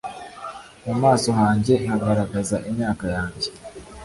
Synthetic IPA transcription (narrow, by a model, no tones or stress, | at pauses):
mumaːso̞ɦaːɲɟe̞n̥haɡaɾaɡazaʔimɲaːkajaːɲɟe